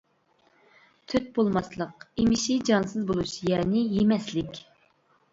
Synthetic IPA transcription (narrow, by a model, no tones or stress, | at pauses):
t̪ʰøt̪̚bolˠmɑslˠəqimɪʃɪd͡ʒɑnsɨzbolˠuʃjɛːnɪjemɛslɪkʲ